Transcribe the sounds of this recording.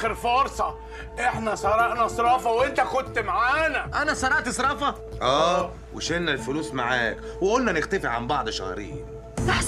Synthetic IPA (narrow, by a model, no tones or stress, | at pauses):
eɾfoːɾsˤɑ | ʔeħnæsˤɑɾˤɑʔnɑsˤɾˤɑːfɑwʔent̪æxod̪̚t̪ːmaʕaːnæʔænæsˤɑɾˤɑʕt̪esˤɾˤɑːfɑ | ʔæː | wḛʃenːælfʊluːsmaʕaːk | weʔolnænɪxt̪æfɪʕʕambɑʕd̪ˤʃɑ̰hɾḭːh